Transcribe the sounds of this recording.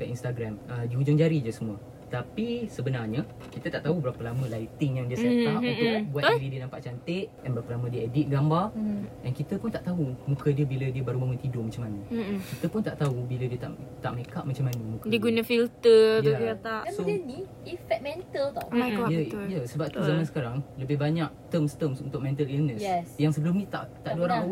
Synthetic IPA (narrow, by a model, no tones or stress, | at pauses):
kaʔinst̪aɡɾamədiud͡ʒʊŋd͡ʒaɾid͡ʒəsəmũə | t̪apisəbənarɲə | kit̪ət̪aʔt̪aubəɾapəlamə̃lajt̪ɪŋjaŋdiəsajat̪aʔunt̪ʊk̚buat̪ɾidiənampaʔ̚t͡ʃant̪ɪʔdɛnbəɾapəlamə̃diəedit̪̚ɡambardankit̪əpʊnt̪aʔt̪aɦumũkədiəbilədiəbaɾubaŋunt̪idʊmãɲt͡ʃamanəkit̪əpʊnt̪aʔt̪aubilədiət̪a̰ʔt̪a̰ʔmẽkaʔmat͡ʃamanəmũkaiɡunafilt̪əjət̪aʔasoəni | ifɛk̚mɛ̃nt̪əlt̪ɔmaɡɔjəjəsəbap̚t̪uzamansə̥kaɾaŋləbɪhbaɲak̚t̪əmst̪əmsunt̪ʊk̚mɛ̃nt̪əlilnəssjaŋsəbəlʊmnĩt̪a̰ʔt̪aʔduoɾau